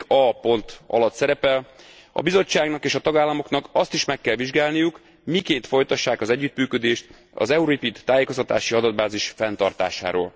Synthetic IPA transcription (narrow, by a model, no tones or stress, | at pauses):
ɒpo̞nt̪ɒ̰lɒt̪sɛɾɛpɛl | ɒ̰bizo̞t͡ʃːaːɡnɒkeːʃɒt̪ɒɡaːlːɒmo̞knɒkɒst̪iʃmɛkːɛlʋiʒɡaːlnijuk | mikeːnt̪fo̞jt̪ɒʃːaːkɒzɛɟːyt̪myːkød̪eːʃt̪ | ɒ̰zɛuɾipit̪ːaːjeːkost̪ɒt̪aːʃiɒd̪ɒd̪̚baːziʃfɛnt̪ɒrt̪a̰ːʃa̰ːɾo̰ːl